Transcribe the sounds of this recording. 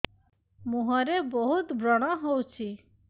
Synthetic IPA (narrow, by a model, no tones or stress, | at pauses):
muɦɔɾebɔɦut̪bɾɔɽ̃ɔɦowt͡ʃʰi